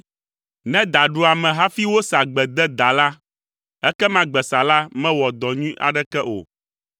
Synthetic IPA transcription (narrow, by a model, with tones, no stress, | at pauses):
nɛ̃˦d̪a˨ɖu˦a˨mɛ̃˨ɦa˦fi˦wo˦sa˨ɡ͡bɛ˨d̪ɛ˦d̪a˨la˦ | ɛ˦kɛ˦mã˦ɡ͡bɛ˨sa˨la˦mɛ̃˦wɔ˨d̪ɔ˨ɲũ˦ʔa̰˨ɖɛ˦kɛ˦ʔo̰˨